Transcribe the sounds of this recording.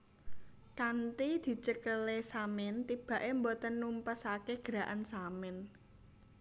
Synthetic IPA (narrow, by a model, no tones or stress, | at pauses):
kant̪id̪̥i̤t͡ʃəkəlesamɪnt̪ib̥ä̤ʔembɔt̪ənumpəsakeɡ̥əɾa̤ʔansamɪn